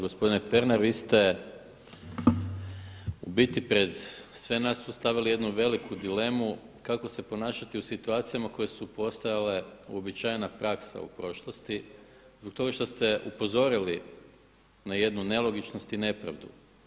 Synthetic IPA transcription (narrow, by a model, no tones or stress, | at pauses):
ɡospod̪inepe̞ɾnaɾʋiːst̪e̞ | ṵbit̪ipɾe̞d̪sʋenasust̪aʋilije̞d̪nuʋe̞likʰud̪ile̞mu | kako̞se̞po̞naːʃat̪iusit̪uaːt̪sijamako̞je̞supo̞st̪ajale̞ṵo̞bit͡ʃajenapɾʔaksa̰ṵpɾo̞ʃlˠost̪i | zbok̚t̪o̞ɡaʃt̪o̞st̪e̞ʔupo̞zo̞ɾili | naje̞d̪nune̞lo̞ɡit͡ʃnost̪ine̞pɾa̰ʋd̪ṵ